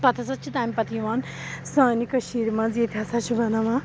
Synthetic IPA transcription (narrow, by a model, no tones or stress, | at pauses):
pɐt̪ʰɐsɐt͡ʃʰit̪aːmipɐt̪ijʋaːn | saːnikɐʃiːɾmãziːt̪ʰʲasat͡ʃʰubɐnɐʋã